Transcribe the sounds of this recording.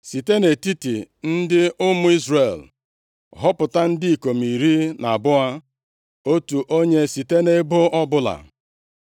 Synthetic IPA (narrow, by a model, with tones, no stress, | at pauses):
si˨te˦ne˨ti˦ti˨n̩˦dɪ˦ʊ˦mʊ˦i˦zre˨l | ɦɔ˦pʊ˨ta˦n̩˦di˦i˨ko˨m̩i˨ɾi˦na˨bʊ˦a˦ | o˦tu˨ʔo˦ɲe˦si˨te˦ne˦bʊ˦ɔ˦bʊ˦la̰˨